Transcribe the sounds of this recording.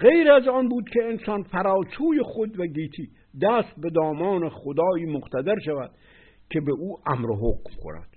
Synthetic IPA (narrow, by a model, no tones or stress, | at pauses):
ɣejɾæzɒːnbuːd̪kʲʰeensɒːnfæɾɒːt͡ʃʰuːjeχod̪væɡiːt̪ʰiː | d̪æst̪̚be̞d̪ɒːmɒːneχod̪ɒːiːmoqt̪ʰæd̪eɾʃævæ̰d̪̥ | kʲʰebeʔuːʔæmɾoɦokmkʰo̰næ̰d̪̥